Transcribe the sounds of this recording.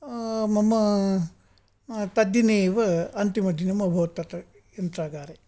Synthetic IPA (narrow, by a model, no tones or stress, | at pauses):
mɐmːɐ | t̪ɐd̪jineːʋɐɐnt̪imɐd̪ʱinemɐbʱɐʋɐt̪ːɐt̪ɐ | ent̪ɾaːɡaːɾe